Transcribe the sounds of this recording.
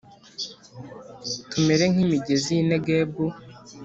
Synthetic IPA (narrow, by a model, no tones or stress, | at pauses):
tume̞ɾe̞ŋ̥himiɟezineɡeːbu